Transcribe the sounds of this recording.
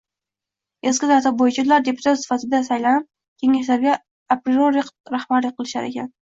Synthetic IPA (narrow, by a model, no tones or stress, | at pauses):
eskʲɪzaɾt̪ʰap̚bojɪt͡ʃʰad̪ʊlaɾd̪e̞pʰʊt̪ʰat̪sɪ̥fat̪ʰɪd̪asajlanɪp̚ | kʲʰe̞ŋaʃlaɾɡʲa | apɾɪoɾɪqɾahbaɾlɪqʰːɨlˠɪʃa̰ɾḛkʲʰa̰n